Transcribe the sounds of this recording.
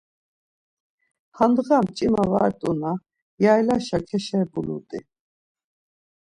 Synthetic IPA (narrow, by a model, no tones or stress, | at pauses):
hand̪ʁamt͡ʃʼimava̰ɛt̪ʼuna | jajlaʃakʰɛʃɛbulṵt̪ʼḭ